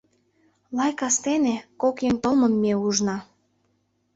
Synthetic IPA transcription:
lɑjkɑst̪enekokjeŋt̪olmənmeuʒnɑ

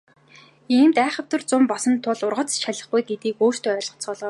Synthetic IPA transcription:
iːmt̪æːχə̆w̥t̪ə̆rt͡sʊmpɔsɞ̆nt̪ʰʊɮʊrʁə̆t͡sʃaɮə̆χɡujɡet̪iːkoːr̥t̪eːœːrʲɮɞ̆χt͡sʰɔːɮɔː

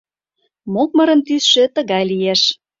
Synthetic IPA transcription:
mok̚mə̆ɾə̆nt̪ysʃĕt̪ə̆ɣɑjlijeʃ

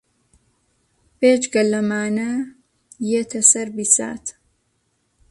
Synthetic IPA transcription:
pet͡ʃɡəlɐmaːnɐ | jet̪ʰɐsɐɾbisa̰ːt̪ʰ

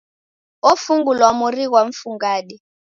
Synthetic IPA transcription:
ofuŋɡulwamurik̬waɱfuŋɡaːɗi

